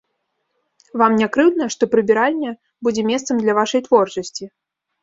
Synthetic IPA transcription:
vamnʲakɾɨwd̪nɐʂt̪ɔpɾɨbʲiɾalʲnʲɛ | bud͡zʲɛmʲɛst̪sɐmd̪lʲɐvaʂɐjt̪vɔrt͡ʂɐsʲt͡sʲi

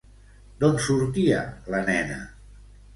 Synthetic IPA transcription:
d̪onsuɾt̪iə̰lənɛnə̰

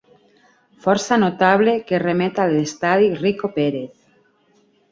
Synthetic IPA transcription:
fɔɾsanot̪aβ̞lekeremet̪alest̪aðirikopeɾeθ

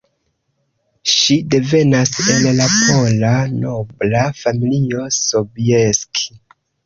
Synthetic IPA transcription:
ʃide̞ve̞nase̞llapʰo̞lano̞blafamilio̞sobieskʰi̥

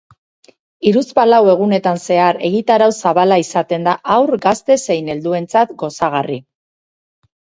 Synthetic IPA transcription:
iɾuspalawe̞ɣ̞une̞t̪anse̞aɾe̞ɣit̪aɾawsaβalaisat̪e̞nd̪aʔawɾɡast̪e̞se̞jne̞ld̪ue̞nt͡sat̪ɡo̞saɣ̞ari

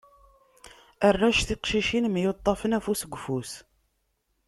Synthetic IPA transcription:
ərːæʃθiqʃiʃinmjot̪ˤːɑfənæfusəɡʷːfus

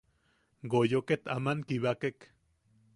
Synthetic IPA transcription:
ɡojoket̪a̰mankiβakek

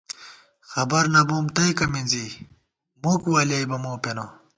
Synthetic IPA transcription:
xɐbɐɾnɐboːmt̪ɐjkɐminzi | mukwaːljajbɐmoːpeno

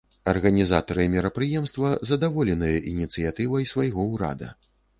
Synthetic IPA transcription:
ɐrɣɐnʲiza̰t̪ɐɾɨmʲɛɾɐpɾɨjɛmst̪vɐzɐd̪avɔlʲɛnɨjɐʔinʲit̪sɨjat̪ɨvɐjsvajɣɔwɾa̰d̪ɐ̰

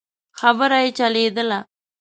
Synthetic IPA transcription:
xabəɾajet͡ʃaled̪əla

